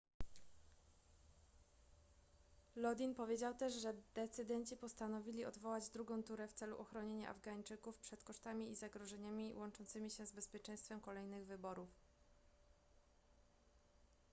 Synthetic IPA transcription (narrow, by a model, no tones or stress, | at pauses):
lɔd̪ʲinpɔvʲjed͡ʑawt̪ɛʐʐɛd̪̥ɛt̪sɘd̪ɛɲt͡ɕipɔst̪anɔvʲilʲiɔd̪vɔwad͡ʑd̪ɾuɡɔ̃w̃t̪uɾɛft̪sɛlṵʔɔxɾɔɲeɲa̰ʔa̰vɡaɲt͡ʂɘkufpʂɛt̪kɔʂt̪amʲiizaɡɾɔʐɛɲamʲiwʔɔnt͡ʂɔnt̪sɘmʲiɕɛzbɛspʲjɛt͡ʂɛj̃st̪fɛmkɔlɛjnɘɣvɘbɔɾuf